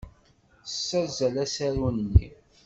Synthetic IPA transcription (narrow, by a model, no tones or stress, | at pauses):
sːæzælæsæɾunnːḭ